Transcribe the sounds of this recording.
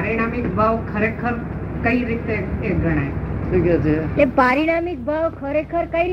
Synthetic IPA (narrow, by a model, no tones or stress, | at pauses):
ɾiɽ̃amikbʱaʋkʰəɾekʰəɾkəiɾit̪eeɡʱəɽ̃aeʈʰiːkad͡ʒit̪ẽpaɾiɽ̃amik̚bʱaʋkʰəɾekʰəɾkai